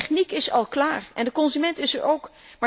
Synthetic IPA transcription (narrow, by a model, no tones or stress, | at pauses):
χnikɪsɑ̰lˠklaːrɛndəkɔnzymɛntɪsəɹowk | ma